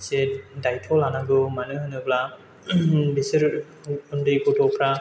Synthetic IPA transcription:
sedajtʰɔlanaɡɯmanɯɦɯnɯbla | bisɯɾ | undɯjɡɔtɔpʰɾa

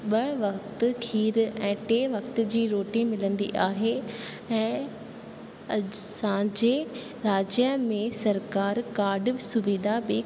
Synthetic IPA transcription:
ɓɐʋɐkt̪ʊ̆kʰiːɾɛ̃ːʈeːʋɐkt̪ʊ̆d͡ʑiːɾoːʈĩmɪlə̃nd̪iʔaːɦe | ɛ̃ː | ɐ | sãd͡ʑeː | ɾaːd͡ʑjəmẽsɐɾkaːɾkaːɾɖʋsʊʋɪd̪ʱabɪ

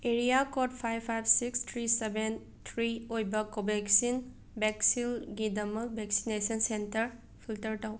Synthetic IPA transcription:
eɾijakɔt̚pʰajpʰajb̚ʰsikstʰɾiseben | t̪ʰɾiojbɐkobeksin | bɛksilɡidɐmɐk̚bʱɛksinesɔnsentɐɾ | pʰiltɐɾtaw

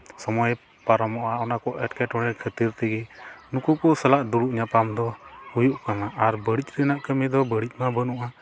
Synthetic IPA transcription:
sɔmɔj | paɾɔmɔʔaɔnakɔʔɛʈkɛʈɔɽɛkʰət̪iɾt̪ɛɡɛnukukɔsalaʔduɽuʔɲapamd̪ɔhujuʔkanaʔaɾbəɽic̚ɾɛnaʔkəmɛd̪ɔbəɽic̚ˀmabənuʔa

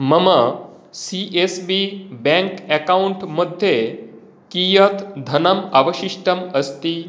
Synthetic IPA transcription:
məmə | siʔesbibɛ̃ŋkɛkauɳʈməd̪ʱːje | kijət̪d̪ʱənəmaʋəɕiʂʈəməst̪i

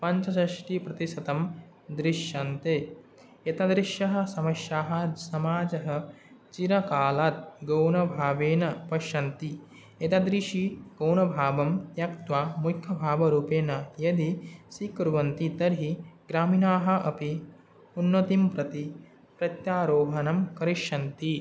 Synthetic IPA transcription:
pɐɲt͡ʃɐsɐʃʈipɾɐt̪iʃɐt̪ɐm | d̪ɾiʃjɐnt̪eː | et̪ɐd̪ɾiʃjɐɦɐ̆sɐmɐʃjaːɦɐsɐmaːd͡ʒɐɦɐ̆ | t͡ʃiɾɐkaːlaːt̪̚ɡɐwnɐbʱaːʋeːnɐpɐʃɐnt̪i | et̪ɐd̪ɾiʃiɡ̥ɐwnɐbʱaːbɐmjɐkt̪ʋaːmukʰjɐbʱaːbɐɾuːpeːnɐjɐd̪isikɾuʋɐnt̪it̪ɐɾɦiɡ̥ɾaːminaːɦɐ̆ʔɐpi | unːɐt̪impɾɐt̪i | pɾɐt̪jaːɾoːɦɐnɐmkɐɾiʃɐnt̪i

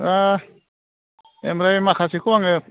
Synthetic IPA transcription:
a | emɾajmakʰasikʰuwaŋɯ

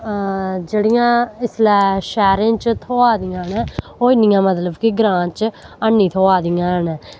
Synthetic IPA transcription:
d͡ʒeːɽɪjãːɪslɛːʃɛːɾẽːt͡ʃt̪ʰoːaːd̪ɪjãːnɛ̃ː | oːɪnɪjãːmət̪ləbkɪɡɾãːt͡ʃənːiːt̪ʰoːaːd̪ɪjãːnɛ̃ː

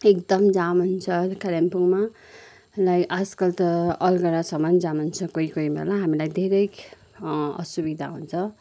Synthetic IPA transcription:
ekd̪ʌmd͡zamunt͡sʰʌkalampuŋma | lajʔaskʌlt̪ʌʌlɡʌɾasʌmʌnd͡zamunt͡sʰʌkoikoibʱḛlaɦamilajd̪ʱeɾʌj | ʌ̰subid̪ʱa̰ɦunt͡sʰʌ

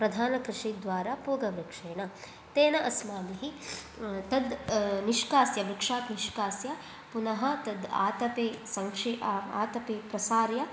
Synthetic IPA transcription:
pɾɐd̪ʱaːnɐkɾɪʂid̪ʋaːɾaːpuːɡɐʋɾɐkʂeːɳɐ | t̪eːnɐʔɐsmaːniɦi | t̪ɐd̪niʃkaːsjɐʋɾikʂaːt̪niʃkaːsjɐ | punɐɦɐ̆t̪ɐd̪a̰ːt̪ɐpeːsɐŋʂiaːt̪ɐpeːpɾɐsaːɾjɐ

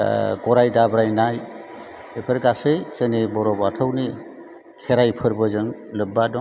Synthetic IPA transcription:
ɡɔɾajdabɾajnaj | epʰɯɾɡasɯjsenibɔɾɔbatʰɯwni | kʰɛɾajpʰɯɾbɯzɯŋlɯbːadɔ

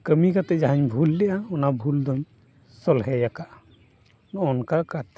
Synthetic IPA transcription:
kəmikat̪ɛd͡ʒaɦaɲbʱulːɛʔaɔnabʱuld̪ɔɲ | sɔlɦɛjakaʔ | nɔɔnkakat̪

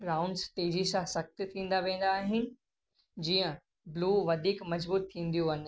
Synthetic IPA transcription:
ɾaːʊ̃ɳɖsʈeːd͡ʑisãsɐk̚t̪ɪt̪ʰĩːn̆d̪aʋẽːn̆d̪aːɦɪnɪ̆ | d͡ʑiːə̃ | bluːʋɐd̪ʱiːkmɐzbuːt̪ʰːĩːn̆d̪ijoɐnɪ̆

